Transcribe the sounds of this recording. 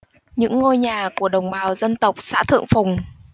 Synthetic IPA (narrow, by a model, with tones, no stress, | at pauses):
ɲɨ̰˧˥ŋːo˧jɲaː˨˩ku˧˩əɗə˨˩wŋ͡mɓaː˨˩wzə˧nt̪ə˨˩wk͡p̚sa̰ː˧˥t̪ʰɨ̰˧˨əŋfʊ˨˩ŋ͡m